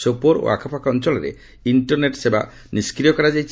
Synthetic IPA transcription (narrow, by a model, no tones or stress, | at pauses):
sopoɾo̰a̰kʰɔpʰakɔnt͡ʃɔlɔɾḛ | iɳʈɔɾneʈseba̰ | niskɾijɔkɔɾad͡ʒajt͡ʃʰ